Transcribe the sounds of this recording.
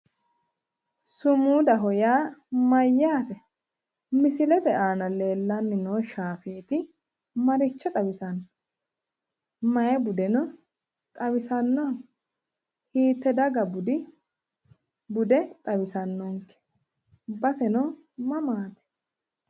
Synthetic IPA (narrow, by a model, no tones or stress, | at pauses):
sʊmuːd̪ɐɦɔjaːmɐjːaːt̪ɛ | mɪsɪlɛt̪ɛʔaːnɐle̞ːlːɐnːɪnoːʃaːfeːt̪ɪ | mɐɾɪt͡ʃːɐt̪ʼɐbɪsɐnː | mɐjɛbʊd̪ɛnɔ | t̪ʼɐwɪsɐnːɔːŋ | hiːt̪ːɛd̪ɐɡɐbʊd̪ɪ | bʊd̪ɛt̪ʼɐbɪsɐnːɔŋkɛ̥ | bɐsɛnɔ | mɐmaːt̪ɛ̥